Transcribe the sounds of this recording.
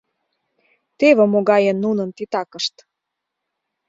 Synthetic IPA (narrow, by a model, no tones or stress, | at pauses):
t̪eβə̆moɣɑjə̆nːunə̆nt̪it̪ɑkə̆ʃt̪